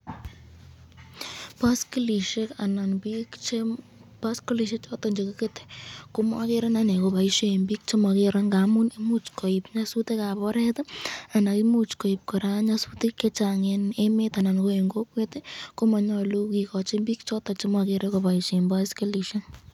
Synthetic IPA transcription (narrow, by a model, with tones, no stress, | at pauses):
paski˦li˨ʃe˦kana˨nbikt͡ʃepasko˦li˨ʃ̬e˦t͡ʃɔtɔ˨ɲd͡ʒeko˦ke˦te̥˨ko˦ma˦ke˦ɾa˦na˦ne˨ko˧pa˨iʃe˦˨mbi˦k̚t͡ʃo˦mɔ˧ke˧ɾa˦ŋɡamu˦ne˦mu˦t͡ʃkɔ˨i˨pɲa˦su˦te˦ka˨pɔ˦ɾɛtɔ˦a˨na˨ki˦mut͡ʃkɔ˨ip̚kɔ˨ɾa˦ɲasutekːe˦t͡ʃaŋene˦me˦ta˨na˨nko˦e˨ŋɡo˦kweteko˦ma˨ɲɔlu˦ki˨kɔt͡ʃe˦mbi˦k̚t͡ʃɔ˦tɔ˨t͡ʃo˦mɔ˧ke˧ɾeko˧pa˨iʃe˨mbaskeli˨ʃen